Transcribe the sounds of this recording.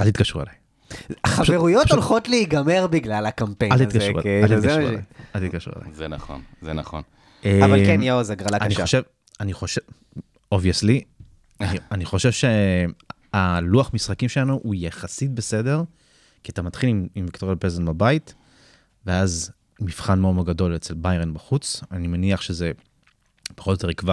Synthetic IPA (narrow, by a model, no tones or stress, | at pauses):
alt̪it̪̚kaʃʁuelaj | aχaveʁujotolχotleiɡameʁbiɡlalakampealt̪itkaʃṵalt̪ikaṵa̰jalt̪it̚kaʃʁṵḛla̰zena̰χo̰nzenaχo̰n | evalkemjeozaɡʁalaaniʃev | aniχo̞ʃe | oviesli | aianiχo̞ʃe̞vʃe | aluaχmisχakimʃelanuʔujaχasit̚bese̞de̞ʁ | kiatamat̪χilimimvikt̪oʁjapezenbabait | veaz | miv̥χanmeomoɡado̞le̞t͡selbajʁenbaχut͡sanimaniaχʃe̞ze̞ | b̥eχoljot̪e̞ikva